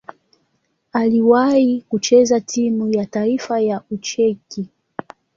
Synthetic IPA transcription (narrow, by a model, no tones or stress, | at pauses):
aliwaikut͡ʃɛzatimujataifajaut͡ʃɛki